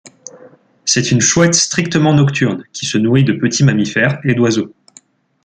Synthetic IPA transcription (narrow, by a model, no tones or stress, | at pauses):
sɛt̪ynʃwɛt̪st̪χik̚t̪əmɑ̃nɔkt̪ʰyʁnkʲi̥sənuʁid̪əpət̪ʰimamifɛʁed̪wazo